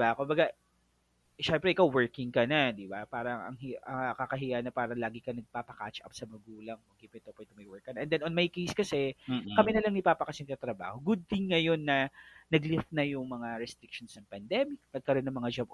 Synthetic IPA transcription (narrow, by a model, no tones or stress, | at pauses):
bakʊmbɐɡa | ʃɛmpɾɛʔɪkawwɛɹkɪŋkɐnɐd̪ɪbapaːɾɐŋɐ̰ŋɦɪɐkakɐɦɪjanɐpaːɾɐlaːɡɪkɐnɐɡ̚paːpɐka̰t͡ʃʔɐ̰psɐmɐɡuːlɐŋmɐɡ̚kɪpɛt̪opwɛd̪ʊmɐjwɛɹkːɐnɐʔɛnd̪ɛnonmɐjkejskɐsɛkɐmɪnɐlɐŋnɪpaːpɐkɐsɪnk̪at̪ɾɐba̰ːho̞ɡʊd̪̚t̪ɪŋːɐjo̞nːɐnɐɡlɪft̪̚nɐjʊŋmɐŋaɾɛst̪ɾɪk̚ʃonsnɐŋpɐnd̪ɛmɪk̚pɐɡ̚kɐɾo̞nːɐŋmɐŋad͡ʒab